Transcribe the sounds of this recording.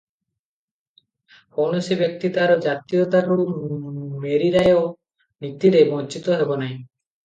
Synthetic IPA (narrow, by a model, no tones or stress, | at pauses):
pʰonusibjek̚t̪it̪aɾɔd͡ʒat̪ijot̪aɾu | meɾiɾajo | nit̪ːiɾebɔnt͡ʃit̪oɦebonaj̃